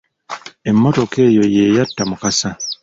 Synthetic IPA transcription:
e̞mːoto̞ke̞ːjo̞jeːjatːamukasa

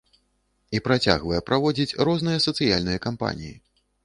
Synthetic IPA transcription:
ipɾat͡sʲa̰ɣvɐjɛpɾavɔd͡zʲit͡sʲrɔznɨjɐsɐt̪sɨjalʲnɨjɐkampa̰nʲḭjḭ

